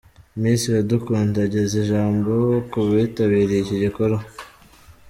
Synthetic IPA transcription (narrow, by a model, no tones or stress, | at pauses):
miːnsijadukuːndaɟe̞zeʒaːmbo̞kuβitaβiːɾeiciɟikoɾo